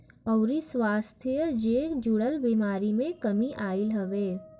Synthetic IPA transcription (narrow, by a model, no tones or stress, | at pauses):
ɔʊɾiswaːst̪ʰijəd͡ʒeːkd͡ʒuɽəlbimaːɾimẽkɐmiʔaːɪlɦɐʋeː